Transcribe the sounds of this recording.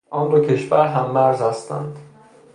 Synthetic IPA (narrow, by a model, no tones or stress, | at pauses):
ʔɒːnd̪ocʰe̞ʃvæɾɦæmːæɾzhæst̪æ̰nd̪̥